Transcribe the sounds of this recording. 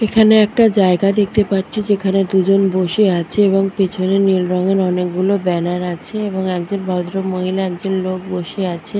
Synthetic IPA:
ekʰaneɛk̚ʈad͡ʑaeɡad̪ek̚ʰt̪epaɾt͡ɕʰid͡ʑekʰaned̪ud͡ʑonboʃeat͡ɕʰeeboŋpet͡ɕʰonenilɾɔŋeɾɔnekɡulobɛnaɾat͡ɕʰeeboŋɛk̚d͡ʑonbʱawd̪ɾomoɦilaɛk̚d͡ʑonlok̚boʃeat͡ɕʰe

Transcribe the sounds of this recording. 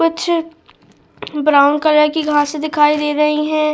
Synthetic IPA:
kʊt͡ʃʰ | bɾaːʊnkɐɾəkiɡʱãsed̪ɪkʰaːid̪eːɾɐɦiɦɛ̃ː

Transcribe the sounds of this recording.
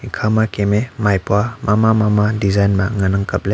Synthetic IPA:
ikʰamakememajpwamamamamadizajnmaŋanɯŋkɐp̚le

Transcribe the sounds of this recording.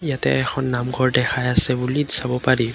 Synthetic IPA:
jatɛ̰ɛxʰɔnːamɡʱɔɹdɛxʰajasɛbulidisabɔpaɹi

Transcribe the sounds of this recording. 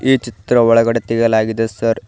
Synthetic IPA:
iːt͡ʃit̪ɾɐʋɔɭɐɡɐɽet̪iɡɐlaːɡid̪esɐɾ

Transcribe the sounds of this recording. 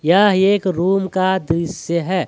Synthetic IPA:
jaɦeːkɾuːmkad̪ɾɪsjəɦɛː

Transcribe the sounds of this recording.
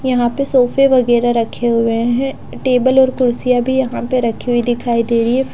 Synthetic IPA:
jɐɦãpesoːfʰeʋɐɣɛːɾaɾɐkʰeɦʊeɦɛ̃ | ʈeːbəlɔːɾkʊɾsijabʱijɐɦãpeɾɐkʰiɦuid̪ɪkʰaːid̪eːɾie

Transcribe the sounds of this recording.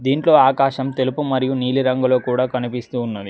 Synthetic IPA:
d̪iːɳʈlo̞ːaːkaːʃɐmt̪e̞lupumɐɾijuniːliɾɐŋɡulo̞ːkuːɽaːkɐnipist̪uːnːɐd̪i

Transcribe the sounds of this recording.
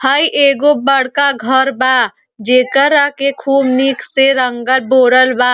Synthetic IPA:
həiʔeːɡobəɽ̤kaɡʱəɾbaː | d͡ʒeːkəɾakekʰuːbnikseɾəŋɡəlboːɾəlbaː

